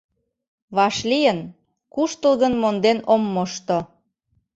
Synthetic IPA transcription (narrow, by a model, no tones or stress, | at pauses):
βɑʃlijən | kuʃt̪əlɣənmond̪enomːoʃt̪o